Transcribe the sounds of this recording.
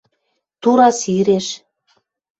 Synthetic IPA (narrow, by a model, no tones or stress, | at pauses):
t̪uɾɑsiɾeʃ